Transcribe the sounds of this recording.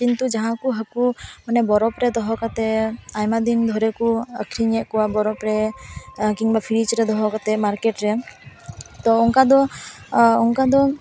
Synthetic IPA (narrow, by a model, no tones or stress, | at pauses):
kint̪ud͡ʒaɦãkuɦakumanɛbɔɾɔpɾɛd̪ɔɦɔkat̪ɛajmad̪ind̪ʱɔɾekuə̰kʰɾiɲɛʔkɔwabɔɾɔpɾe | kiŋbapʰiɾit͡ʃɾɛd̪ɔɦɔkat̪ɛmaɾkeʈɾɛ | t̪ɔɔŋkad̪ɔ | ɔŋkad̪ɔ